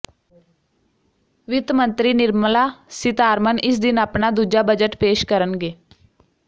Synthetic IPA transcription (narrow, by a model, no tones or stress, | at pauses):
ʋɪt̪mə̃nt̪ɾiːnɪɾmlaːsɪt̪aːɾmənɪs̬d̪ɪnaːpnaːd̪uːd͡ʒaːbəd͡ʒəʈpeːʃkəɾənɡeː